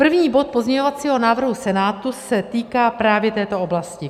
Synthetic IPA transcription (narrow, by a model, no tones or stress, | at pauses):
pr̩vɲiːbo̞t̪̚po̞zɲɛɲovat͡siːɦo̞naːvr̩ɦusɛnaːt̪usɛt̪iːkaːpɾaːvjɛt̪ɛːt̪o̞ʔoblascɪ